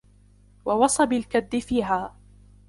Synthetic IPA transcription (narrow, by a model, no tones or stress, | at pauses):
wɑwɑsˤɑbɪlkad̪ːɪfiːɦaː